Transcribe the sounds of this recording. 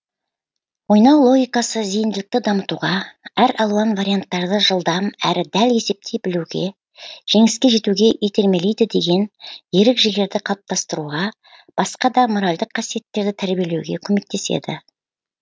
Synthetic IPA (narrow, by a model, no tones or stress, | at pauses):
wo̞jnɑwlˠo̞ɡʲijkɑsəzijɪnd̪ɪlɪk̚t̪ɪd̪ɑmət̪uʁɑæɾɑlˠuɑnvaɾʲijant̪ːɑɾd̪əʒəlˠd̪ɑmæɾɪd̪æle̞se̞p̚t̪ʰejbɪluɡʲe | ʒ̥e̞ŋɪskʲe̞ʒe̞t̪uɡʲe̞ʔet̪e̞ɾme̞lejd̪ɪd̪e̞ɡʲe̞nje̞ɾɪkʒeɡʲe̞ɾd̪ɪqʰɑlˠp̚t̪ʰɑst̪əɾuʁɑ | b̥ɑsqɑd̪ɑmo̞ɾalʲd̪əqʰːɑsije̞t̪ːe̞ɾd̪ɪt̪ʰæɾbije̞le̞wɡʲe̞kʲʰɵme̞k̚t̪ːe̞sḛd̪ɪ̰